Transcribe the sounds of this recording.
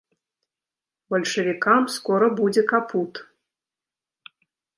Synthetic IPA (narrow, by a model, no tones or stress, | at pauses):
bɐlʲʂɐvʲikamskɔɾɐbud͡zʲɛkapʰut̪